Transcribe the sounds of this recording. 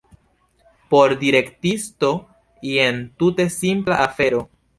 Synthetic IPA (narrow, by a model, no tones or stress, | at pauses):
po̞ɾdiɾe̞ktisto̞ | ie̞ntute̞simplaʔafe̞ɾo̞